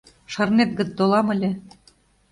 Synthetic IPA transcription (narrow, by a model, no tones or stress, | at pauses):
ʃɤ̆rnet̪̚ɡə̆t͡sd̪olˠɑmə̆lʲĕ